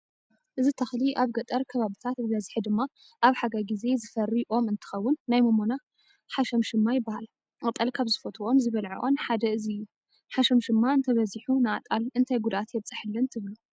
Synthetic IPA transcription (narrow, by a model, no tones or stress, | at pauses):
ʔɨzit̪ʰɐxliʔaβɡɐt̪ʼɐɾkʰɐβaβit̪ʰat̪bɨβɐzħid̪ɨmːa | ʔaβħaɡaɡize̞zɨfɐriʔo̞mɨnt̪ʰɨ̥xɐwːʊnːajmomona | ħaʃɐmʃɨmːajɪbːahal | ʔkʼɨt̪ʼːɐlkʰaβzɨfot̪ʰʼuʔo̞mzɨβɐlʕḭʔo̰nħad̪ɐɨziɨjːu | ħaʃɐmʃɨmːaɨnt̪ʰɐβɐziħunɨat̪ʼalɨnt̪ʰajɡud̪at̪jɛβt͡sʼɨħɨlːɐnt̪ʰɨβlu